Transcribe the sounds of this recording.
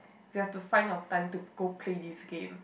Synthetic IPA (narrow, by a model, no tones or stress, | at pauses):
jihɛftufãɪ̃natãŋtuɡ̥opʰledisɡḛ̃m